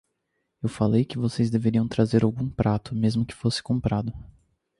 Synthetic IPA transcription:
ewfalejkɪvosejzd̪eveɾiɐ̃w̃t̪ɾazeɾawɡũpɾat̪ʊmezmʊkɪ̥fosɪ̥kõmpɾad̪ʊ

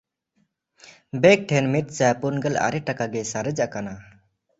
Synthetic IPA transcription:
bɛk̚ʈʰɛnmit̪̚sajpunɡəla̰ɾɛʈakaɡɛsaɾəd͡ʒaʔkana

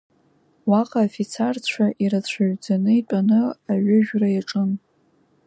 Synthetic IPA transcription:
waqʼaːfit͡sʰart͡ɕʷʰaʔiɾat͡ɕʷʰaʒᶣd͡zanɨitʷʼanɨaɥʊʒᶣrajaʈ͡ʂʼɨn

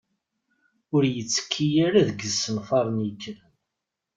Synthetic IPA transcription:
ʊɾjət͡sːə̥kʰːijaɾaðəɡəsənfɑɾˤnjəkːəɾən

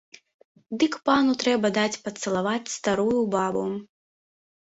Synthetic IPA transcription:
d̪ɨkpanut̪ɾɛbɐd̪at͡sʲpɐt̪sɐlˠavat͡sʲst̪aɾujubabu

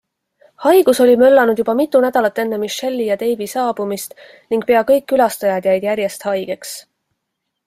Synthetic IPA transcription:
hɑjɡ̥uso̞lʲimø̞lːɑnud̪̥jubɑmit̪ːˑunæd̪̥ɑlɑt̪ːˑe̞nːemiʃe̞lʲːijɑt̪e̞jvisɑːb̥umist̪ | niŋɡ̥̚pe̞ɑkɤjkːylɑst̪ɑjɑd̪̥jɑjd̪̥jæɾje̞st̪hɑjɡ̥e̞ks

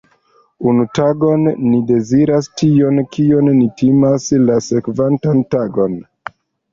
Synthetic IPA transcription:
unutaɡo̞nːide̞ziɾastio̞nkio̞nːitimaslase̞kvantantaɡo̞n

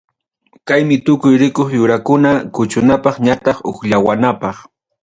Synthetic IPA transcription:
kajmɪt̪ʊkʊjɾɪkoχjʊɾakʊnakʊt͡ʃʊnapɑχɲat̪ɑχo̰χʎawanapɑχ

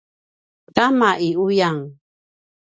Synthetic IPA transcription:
tamaʔiujaŋ

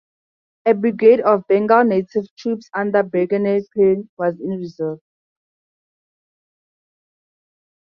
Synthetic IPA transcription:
ɛbɹiɡedɔfbɛ̃ŋɡalnetʰivtʰɹupsãndabɛɡɛnepʰenwɔzĩnɹizɔt

